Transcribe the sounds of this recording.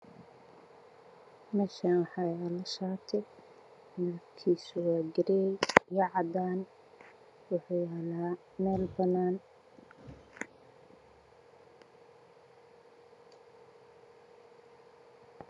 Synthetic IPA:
mɛːʃaːnwħɑjalɐʃaːt̪ʰɛj | mɐbkʰiːsʊwɑːɡɪɾɛɛjjɐʕɑd̪aːn | wʊħuːɛlaː | mɛːlbɐnaːn

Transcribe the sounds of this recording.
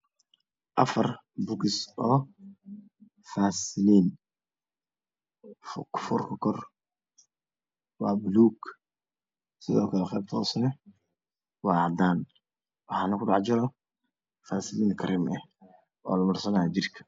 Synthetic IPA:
ʔɐfɐr | bʊkɪsɔː | faːsɪliːn | fkʰɔ̥fʊrkʰɐkʰɔr | wɑːbʊluːɡ | sɪðɔːkʰɐlɛχɛ̰ːb̚t̪ʰɔːsɐnɛ | wɑːɑʕd̪aːn | wɑħɑːnɐkʰʊɖɑʕd͡ʒɐɾɔ | faːsɪliːnkʰɐɾɪmɛh | ɔ̰ːlɐmɐrsɐnaːd͡ʒɪrkʰɐ̥

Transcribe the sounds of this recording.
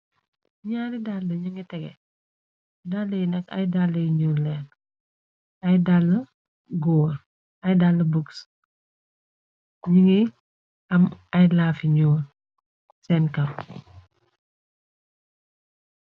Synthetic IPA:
ɲaːɾidaldəɲuŋitɛɡɛ̰ | dalːəjnɐkɐ̰jdalːəjiɲuːlɛːn | ɐjdalːə | ɡɔːr | ɐjdalːɐbuks | ɲuŋi | ɐmɐjlaːfiɲuːr | sɛnkɐm

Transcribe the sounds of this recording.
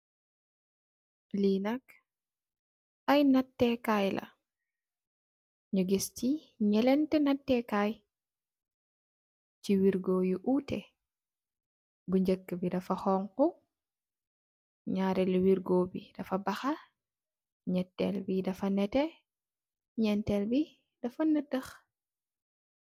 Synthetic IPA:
linɐk | ajnatːɛkajlʔɐ̰ | ɲuɡisti | ɲɛlɛntɛnatːɛkaj | t͡ʃiwiɾɡoːjuʔutɛ | buɲd͡ʒəkːəbidɐfɐxɔŋku | ɲaːɾɛlwiɾɡoːbḭd̥ɐfɐbɐxɐ | ɲɛtːɛ̰lbidɐfɐnɛtɛ | ɲɛntɛlbi | d̥ɐfɐnɐtːəx

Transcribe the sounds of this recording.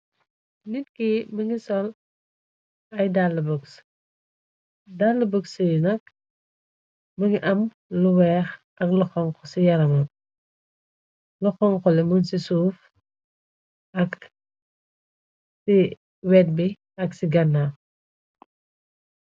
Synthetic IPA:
nitkimɐŋisɔl | ɐjdalːɐbɔks | dalːɐbəksijnɐk̚ | mɐŋiʔɐm | luwɛːx | ʔɐk̚luxɔŋkɔsijɐɾɐmɐm | luxɔŋkɔlɛmunsisuːf | ɐk | si | wɛt̚bi | ɐksiɡɐnːa

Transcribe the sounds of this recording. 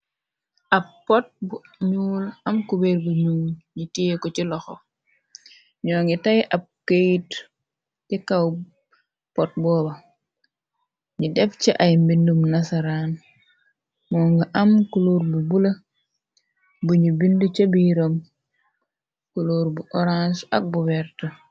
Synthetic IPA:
ʔɐppːɔt̚bu | ɲuːlɐmkubeɾbuɲuŋɲitikɔt͡ʃilɔxo | ɲɔːŋɡitajʔɐb̚kejt | tikaw | pɔt̚bɔːbɐ | ɲidɛft͡ʃiʔajmbindumnasaɾan | mɔːŋɡaʔɐmkuluːɾbubulɐ | buɲubindut͡ʃɐbiɾom | kuluːɾbuʔɔɾansɐ̰k̚bubɛɾtɐ

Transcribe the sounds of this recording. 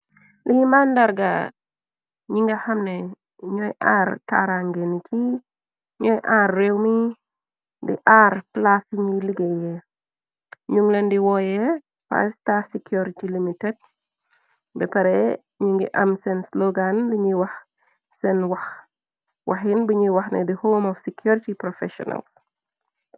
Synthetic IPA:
liɲimandaɾɡa | ɲiŋɡaxamnɛ | ɲɔjʔarta̰ɾaŋɡeniki | ɲɔjʔaːrːewmi | dḭʔaɾplasiŋjiliɡɛjɛ | ɲuŋlɐndiwɔjɛ | fa̰jfstasikʰjuɾitilimitɛd̚ | bɛpɐɾɛ | ɲuŋɡḭʔɐmsɛnslɔɡanbiɲiwɐx | sɛnwɐx | wʔɐxinbəɲiwɐxnɛ̰dihoːmɔfsikʰjuɾitipɾɔfɛ̰ʃɔ̰nɐ̰ls

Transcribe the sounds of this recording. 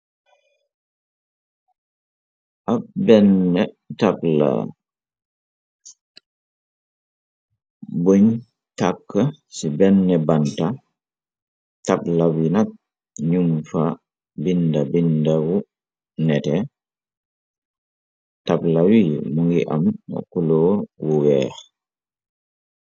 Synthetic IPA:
ʔapbɛnːɛ | tapla̰ | buɲ | takːəsibɛnːɛbanta | taplawinak̚ | ɲumfa | bindabindawu | nɛtɛ | tablawimuŋɡiʔa̰ma̰kulɔwuwɛːx

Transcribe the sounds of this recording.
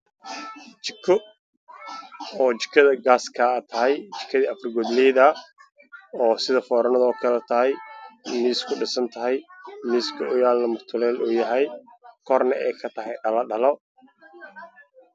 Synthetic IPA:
t͡ʃɪkʰɔ | ɔːt͡ʃɪ̥kʰɐðɐɡaːskʰɐːt̪ʰɐɦɛjt͡ʃɪ̥kʰːɐðiːɐfrɪɡɔd̪liːðɐ | ɔːsɪðɐfɔːɾɐnɐðɔːkʰɐlɛt̪ʰɐɦɛjniːskʰʊɖɪsɐnt̪ʰɐɦɛjmiːskʰɐʔʊjaːlnɐmʊrt̪ʰʊlɛːluːjɐɦɛjkʰɔrnɐʔɛjkʰɐt̪ʰɐɦɛjɖɐlɐɖɐlɔ

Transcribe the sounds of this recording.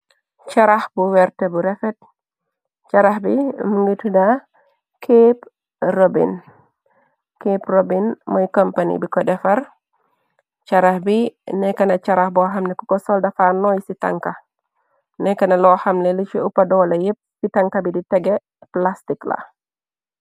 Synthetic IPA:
t͡ʃɐɾahbuwɛɾtɛbuɾɛfɛt̚ | t͡ʃɐɾahbimuŋɡitda | kʰep | robḭn | keprobinmɔjkompanḭbikɔdɛfɐɾ | t͡ʃɐɾahbinɛkːɐnɐt͡ʃɐɾahbɔɦɐmnɛkukɔsɔldɐfanɔjsitɐ̰ŋkɐ | nɛkːɐnɐlɔhɐmlɛlit͡ʃiʔupɐdɔːlɐjəp̚sitɐŋkɐbiditɛɡɛ | plastikla̰

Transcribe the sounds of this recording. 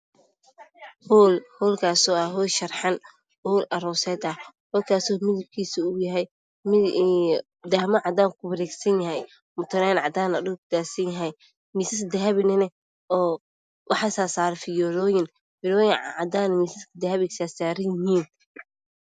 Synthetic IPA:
huːlhɔːlkʰaːsɔːɐɦɔːjʃɐrħɑn | huːlʔɐɾɔːsɛːd̪ɐhɔːlkʰaːsɔːmɪðɐb̚kʰiːsʊʊjɐɦɛj | d̪ɐhmɐʕɑd̪aːŋkʰʊbɐɾɛːɡsɐnjɐɦɛj | mʊt̪ʰɐnɛnʕɑd̪aːnɐdʊkʰʊd̪aːsɐnjɐɦɛj | miːsɐsd̪ɛɦɐβɪnɛnɛ | ɔː | wʔɑħɑsaːsaːɾfɪjɔlɔːjɪn | fɪɾɔːjɪʕʕɑd̪aːnɐmiːsɪskʰɐd̪ɛhɐβɪksaːsaːɾɐjɪɦiːn

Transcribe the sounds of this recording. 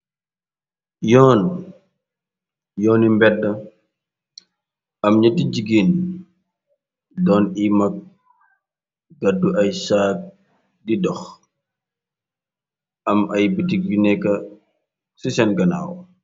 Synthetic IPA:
jɔːn | jɔːnimbɛdːɐ | ɐmɲɐtid͡ʒiɡin | dɔnimɐk̚ | ɡɐdːuʔɐjsaːk̚ | didɔx | ɐmɐjbitiɡinɛkɐ | sisɛnɡɐna̰ːw

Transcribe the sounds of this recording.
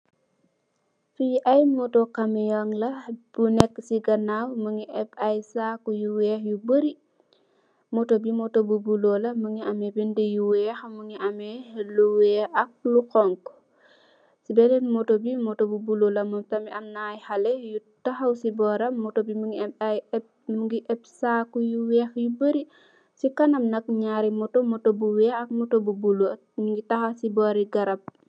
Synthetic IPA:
fujʔɐjmɔtokɐmɛjɔŋlɐb̥unɛkːsiɡɐnawməŋiʔɛpɐjsaːkujuwɛxjubəɾi | mɔtobimɔtobubulolɐməŋiʔɐmɛbindejuwɛxməŋiʔɐmɛluwɛʔɐk̚luxɔŋk | sibɛlɛnmɔtobimɔtobubulolɐmtɐmiʔɐmnajhɐlɛjutɐxɐwsibɔːɾɐmɔtobimuŋɡiaj | mŋɡiʔɛb̚sakujuwɛxjubəɾi | sikɐnɐmnɐk̚ɲaɾimɔtomɔtobuwɛɐk̚mɔtobubulo | məŋɡitɐxasibɔːɾiɡɐɾɐp̚

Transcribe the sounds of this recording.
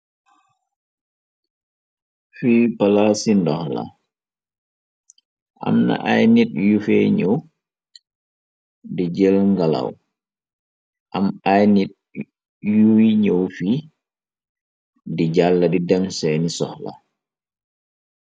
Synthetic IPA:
fiːpalasindɔxla̰ | ʔa̰mna̰ʔajnit̚jufɛɲəw | did͡ʒɛlŋɡala̰w | ʔamajnit̚ | juiɲəwfi | diɟalːɐdidɛmsɛnisɔxla̰

